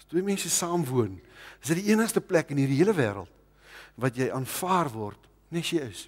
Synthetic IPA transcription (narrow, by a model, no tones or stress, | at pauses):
twiəmɛnsəsɑːmvuənəs̬ɛtdiiənəχstəplɛkənɦiːrdiɦiələvæːɾə̰lˠt | vɐtjɛjʔɑːnfɑːrvɔrt | nɛsjəjəs